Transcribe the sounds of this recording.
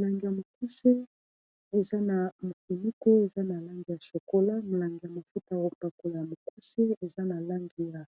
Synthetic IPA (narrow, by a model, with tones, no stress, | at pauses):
la˨ŋɡi˨ja˨mo˨ku˦se˦ | e˨za˦na˨mo˨ki˨ni˦ko˦e˨za˦na˨la˦ŋɡi˨ja˨ʃo˨ko˦la˦mo˨la˨ŋɡi˨ja˨ma˨fu˦ta˨˦o˦pa˨ko˨la˨ja˨mo˨ku˦se˦e˨za˦na˨la˦ŋɡi˨ja˨